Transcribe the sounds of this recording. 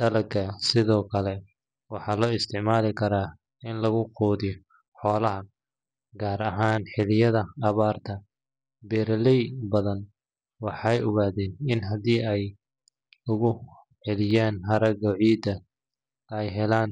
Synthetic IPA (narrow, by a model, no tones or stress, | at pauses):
d̪ɐlɐkʰɐsɪðɔːkʰɐlɛ | wɑħɑːlɔːɪst̪ʰɪʕmaːlɪkʰɐɾaː | ɪnlɐɣʊqɔːðɪj | ħɔːlɐɦɐ | ɡaːɾɐɦaːnħɪlɪjɐðɐːβaːrt̪ʰɐ | bɛːɾɐlɛjbɐðɐn | wɑħɑjʊɣaːðɛːnɪnɦɐd̪iːɛj | ʊɣʊ | ħɛlɪjaːnɦɐɾɐɣɔʕiːd̪ɐ | ɛjɦɛlaːn